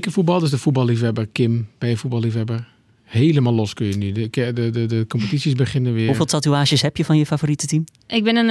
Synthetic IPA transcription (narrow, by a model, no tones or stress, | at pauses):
kəfut̚bɑlˠdəsdəfut̚bɑlˠlifɛbərkɪmb̥ɛjəfubɑlˠifɛbər | heːləmalˠlɔskøjənykdəədəkɔmpətitsjisbəχɪnəʋɪəɦufeːlˠtʰatuaːʒjəshɛpjəfɔnjəfavoritətim | ʔɪɡ̚bɪnən